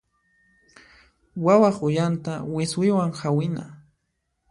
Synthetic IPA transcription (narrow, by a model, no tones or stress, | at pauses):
wawaχʊjant̪awɪswɪwaŋhawɪna̰